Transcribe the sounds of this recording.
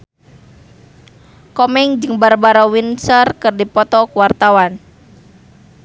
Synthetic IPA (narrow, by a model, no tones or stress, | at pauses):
kɔmɛŋd͡ʒəŋbarbaɾɔwinsərkərdipɔt̪ɔkuwart̪awan